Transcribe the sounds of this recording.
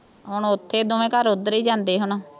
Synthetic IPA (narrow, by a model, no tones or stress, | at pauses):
ɦʊɳːʊt̪ʰːeːd̪oːʋẽːkəɾʊd̪əɾiːd͡ʒãːnd̪eːɦʊnoː